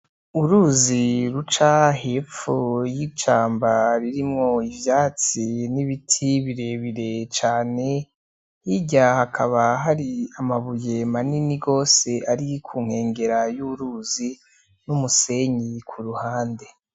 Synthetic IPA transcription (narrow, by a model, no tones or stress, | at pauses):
uɾuziɾut͡ʃaɦe̞ːp͡ffujit͡ʃaːmbaɾiɾimŋo̞ivjaːt͡siniβitʰiβiɾe̞βiɾe̞t͡ʃaːne̞ | hiɟahakʰaβaɦaɾiamaβuje̞maniniɡo̞ːse̞ʔaɾikʰuːŋ̥he̞ːŋɡe̞ɾajuɾuːzi | numuse̞ɲikʰuɾuhaːnde̞